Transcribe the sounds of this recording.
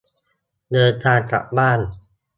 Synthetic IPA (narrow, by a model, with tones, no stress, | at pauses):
nɤː˧jt̪ʰaː˧nt͡ɕa̰˨˩k̚baː˥˩n